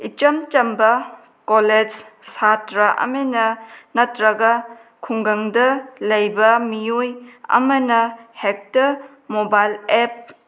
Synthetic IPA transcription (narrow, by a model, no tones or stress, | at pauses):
it͡ʃɐmt͡ʃɐmbɐ | koled͡ʒsatɾɐʔɐ̰menɐnɐtɾɐɡɐ | kʰuŋɡɐŋdɐlɐjbɐmijojɐ̰mɐnɐhek̚tɐɾ | mobajlep̚